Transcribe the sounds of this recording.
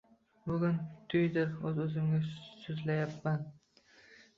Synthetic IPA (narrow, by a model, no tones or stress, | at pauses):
bʊɡʲʊnt̪ʰʊjd̪ɪɾɵzɵzɪmɡʲasʊzlajapːan